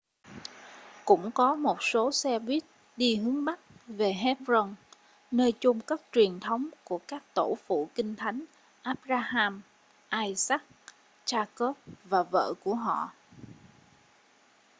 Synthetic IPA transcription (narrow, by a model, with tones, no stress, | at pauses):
kʊ̰˧˥ŋ͡mkɔ˨˦mo˨˩t̚so˨˦sɛ˧ɓwi˦˥ət̚ | ɗi˧hɨ˨˦əŋɓa˦˥t̚ve˨˩ɦɛ˦˥p̚zɔ˧n | nəː˧jt͡ɕʊ˧ŋ͡mkaː˦˥k̚t͡ɕwi˨˩ənt̪ʰə˨˦wŋ͡mku˧˩əkaː˦˥k̚t̪o˧˩fṵ˧˨kï˧ŋ̟t̪ʰa˨˦jŋ̟ | ʔaː˦˥p̚zaː˧haː˧m | ʔaː˧jsa˦˥k̚ | t͡ɕaː˧ko˦˥p̚vaː˨˩və̰ː˧˨ku˧˩əɦɔ̰˧˨